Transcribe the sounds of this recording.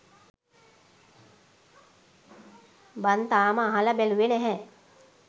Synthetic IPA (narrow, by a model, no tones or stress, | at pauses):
bant̪aːməːɦaləbæluenɛɦɛ